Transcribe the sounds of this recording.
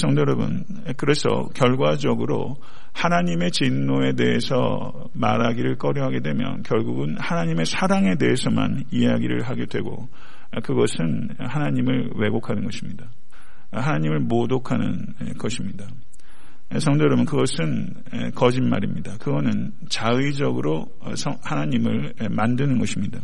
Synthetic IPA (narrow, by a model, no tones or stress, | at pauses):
sʰʌŋdeɾʌbɯ̰n | kɯɾe̞sʰʌ̰kjʌɭɡwad͡ʑʌɡɯɾo̰ | hanaɲime̞t͡ɕinːoe̞de̞e̞sʰʌ̰ | ma̰ɾaɡiɾɯɭk͈ʌɾjʌɦaɡe̞dwe̞mjʌ̰nkjʌɭɡuɡɯnhanaɲime̞sʰaɾaŋe̞de̞ɦesʰʌma̰n | ieɦaɡiɾɯ̰ɭɦaɡedwe̞̰ɡo̰ | kɯɡʌsʰɯn | ɦanaɲimɯɭ | we̞ɡokʰanɯnɡʌɕʰimɲida | ɦanaɲimɯɭmodokʰanɯ̰n | kʌɕʰimɲida | sʰʌŋdoɾomɯnkɯɡʌsʰɯn | ḛkʌd͡ʑinma̰ɾimɲidakɯɡʌnɯn | t͡ɕaid͡ʑʌɡɯɾo̰ | sʰʌhanaɲimɯɭ | emandɯnɯnɡʌɕʰimɲida